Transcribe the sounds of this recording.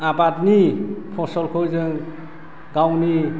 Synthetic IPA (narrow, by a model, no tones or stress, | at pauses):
abatnipʰɔsɔlkʰɔjzɯŋ | ɡawni